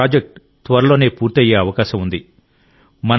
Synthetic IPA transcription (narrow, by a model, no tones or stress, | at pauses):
aːd͡ʒek̚ʈ | t̪ʋɐɾɐlo̞ːne̞ːpuːɾt̪ɐjeːɐʋɐkaːʃɐmund̪i | mɐn